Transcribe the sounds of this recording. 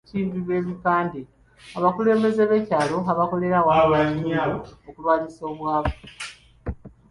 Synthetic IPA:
tiːmbiβe̞ːβipaːnde | aβakule̞ːmbe̞ze̞βecaːlo̞aβako̞le̞ɾawawaɲalookulaːɲiso̞ːβwaːβo

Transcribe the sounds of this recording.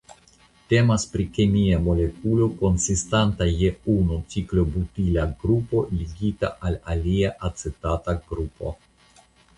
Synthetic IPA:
te̞maspɾikemiamo̞le̞kulo̞ko̞nsistantajeunut͡siklo̞butilaɡɾupo̞liɡita̰ʔalaliaʔat͡se̞tataɡɾupo̞̰

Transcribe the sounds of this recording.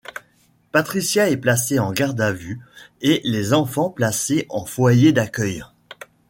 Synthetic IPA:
pat̪χisjaɛplaseɑ̃ɡaʁd̪avyelezɑ̃fɑ̃plaseʔɑ̃fwajed̪akʲœj

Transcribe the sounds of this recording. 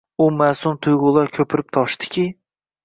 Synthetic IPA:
ʊmasʊmt̪ʰʊjʁʊlˠaɾkʲʰɵpʰɪɾɪp̚t̪ʰɒʃt̪ɪ̥kʲʰɪ

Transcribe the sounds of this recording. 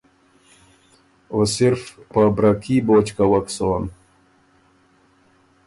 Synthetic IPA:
osiɾfpabɾakʰiːbot͡ʃkawaksoːn

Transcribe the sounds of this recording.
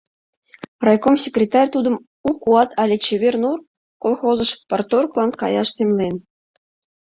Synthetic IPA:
rɑjkomsʲekrʲet̪ɑrʲt̪ud̪ə̆m | ukuɑt̪ʰɑlʲet͡ɕeβʲernur | kolˠxozə̆ʃport̪orklˠɑnkɑ̰jɑʃt̪emlʲen

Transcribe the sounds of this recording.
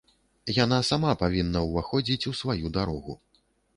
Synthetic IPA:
jan̪asamapavʲinːɐwvaxɔd͡zʲit͡sʲusvajud̪aɾɔɣṵ

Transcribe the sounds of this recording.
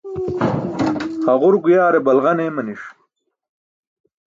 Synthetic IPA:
hɐʁʊɾɡujaːɾebɐlʁɐneːmɐniʂ

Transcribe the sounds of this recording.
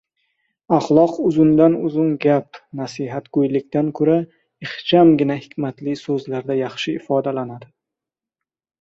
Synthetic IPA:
ɑχlˠɒqʊzʊnd̪anʊzʊnɡʲapnasiɦat̪ɡ̥ɵjlɪkʲt̪ʰankʰɵɾa | ɪχt͡ʃʰamɡʲɪnahɪkʲʰmat̪lɪsɵzlaɾd̪ajɑχʃɪɪfɒd̪alanad̪ɪ

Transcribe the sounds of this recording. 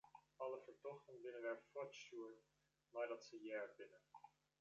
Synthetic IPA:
ɑləfərtɔχtənbɪnəvɛrfwɔtʃuən | lɑjdətsəjɛːrbɪnə

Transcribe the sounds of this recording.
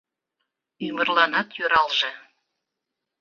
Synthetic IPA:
ymə̆rlɑnɑt̪jøɾɑlʒɤ̆

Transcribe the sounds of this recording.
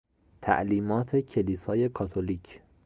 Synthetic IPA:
t̪ʰæ̰ʔliːmɒːt̪ʰe̞cʰe̞liːsɒːje̞kʰɒːt̪ʰoliːcʰ

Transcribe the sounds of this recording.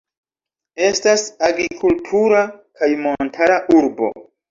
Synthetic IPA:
e̞stasaɡɾikʰultʰuɾakajmo̞ntʰaɾaʔuɾbo̞̰

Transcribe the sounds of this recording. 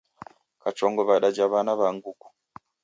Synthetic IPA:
kat͡ʃoːŋɡoβaɗaɟaβanaβaŋɡuku̥

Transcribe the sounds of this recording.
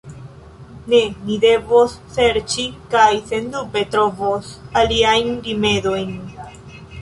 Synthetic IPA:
ne̞nide̞vosːe̞ɾt͡ʃikajse̞ndube̞t̪ɾo̞vosaliajnɾime̞do̞jn

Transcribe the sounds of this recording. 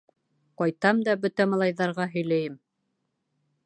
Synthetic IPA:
qɑjt̪ɑmd̪ɑbɵt̪æmɑlˠɑjðɑɾʁɑɦɵ̆jlæjɘm

